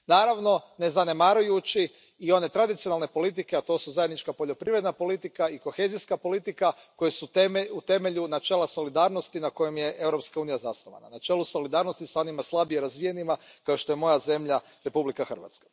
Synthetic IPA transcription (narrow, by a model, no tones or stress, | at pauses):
naːɾaʋno̞ne̞zane̞maːɾujut͡ɕi | io̞ne̞t̪ɾad̪it̪sionalˠne̞po̞lit̪̬ikeat̪o̞suzajed̪nit͡ʃkapo̞ʎo̞pɾiʋɾe̞d̪napo̞lit̪ikaiko̞xe̞ziskapo̞lit̪ikako̞jesut̪eut̪e̞me̞ʎunat͡ʃeːlˠaso̞lid̪aːɾnost̪inako̞je̞mje̞ʔe̞wɾo̞pskauːnijazasnoʋa̰na̰nat͡ʃe̞ːlˠuso̞lid̪aːɾno̞st̪isao̞nimaslˠabijeɾazʋije̞nimakaoʃt̪o̞je̞mo̞jaze̞mʎa | ɾe̞publikaxr̩ʋa̰t̪skḁ